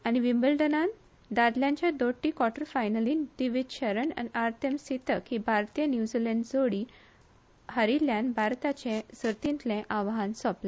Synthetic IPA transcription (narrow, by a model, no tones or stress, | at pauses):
añiʋimbəlɖənan | d̪ad̪ljãɲt͡ɕjad̪oʈːikʋɔʈəɾfajnəliːnd̪iʋid̪ɕəɾəna̰niaɾt̪ʰemsit̪əkibʱaɾt̪ijənjud͡ʑilə̃ɳɖd͡zoɽi | həɾiljãnbʱaɾt̪at͡ɕẽsəɾt̪int̪lẽʔaʋɦansɔpla